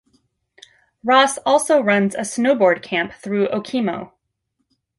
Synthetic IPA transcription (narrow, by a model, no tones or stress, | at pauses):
ɹɔsɔlˠsoʊɹʌ̃nzɨsnoʊbɔɹd̚kʰæ̃mp̚θɹʉʔoʊkʰĩmoʊ